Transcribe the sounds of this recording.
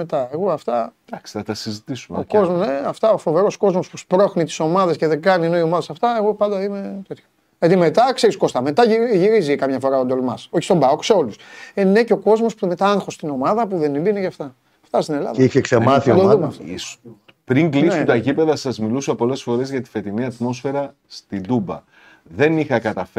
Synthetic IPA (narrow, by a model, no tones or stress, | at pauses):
met̪ɐeɣo̞ɐft̪ɐd̪̥ɐksi̥θɐt̪ɐsizit̪isumeokozmneɐft̪ɐofo̞ve̞ɾo̞sko̞zmo̞spuspɾo̞xnit̪i̥so̞mɐðe̞sce̞ðeɡɐnienoio̞mɐðesɐft̪ɐe̞ɣo̞pɐnd̪ɐime̞t̪e̞t̪ço̥ | jɐt̪ime̞t̪ɐkse̞ɾisko̞st̪ɐme̞t̪ɐʝiɾizikɐmɲɐfo̞ɾɐod̪olmɐso̞çi̥st̪o̞bɐokseo̞lusene̞ceo̞ko̞zmo̞spumet̪ɐɐŋxo̞st̪ino̞mɐðɐpuðe̞nimbineʝɐft̪ɐ | ft̪ɐst̪ine̞lɐ̰ðɐiçeksemɐθid̪oðumɐsis | pɾiŋɡlisut̪ɐʝipe̞ðɐsɐzmilusoɐpo̞le̞sfo̞ɾe̞zʝɐt̪i̥fe̞t̪iniɐt̪mo̞sfe̞ɾɐ | st̪ind̪ubɐ̰ | ðe̞nixɐkɐt̪ɐf